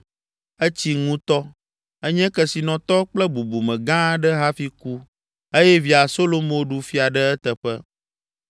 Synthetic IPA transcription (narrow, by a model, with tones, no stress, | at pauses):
ə˦t͡ɕi˦ŋũ˦t̪ɔ˦ | ə˦ɲɛ̃˦kɛ˨si˨nɔ̃˨t̪ɔ˦k͡plɛ˦bu˨bu˨mɛ̃˨ɡã˦ɖɛ˦ɦa˦fi˦ku˦ | e˦jɛ˦vi˨a˨so˦lo˦mõ˦˨˦ɖu˦fi˦a˨ɖə˦ɛ˦t̪ə˨ɸɛ˦